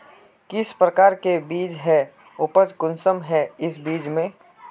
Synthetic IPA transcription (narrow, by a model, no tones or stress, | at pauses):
kɪspɾəkaːɾkebiːd͡ʒɦɛ | ʊpəd͡ʒkʊnsəmɦɛɪsbiːd͡ʒmẽː